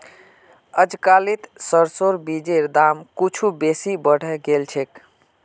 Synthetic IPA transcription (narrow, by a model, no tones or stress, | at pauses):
əd͡ʒkalit̪səɾsoɾbid͡ʒeɾd̪amkut͡ʃʰubesibəɽ̤ɛɡelt͡ʃʰek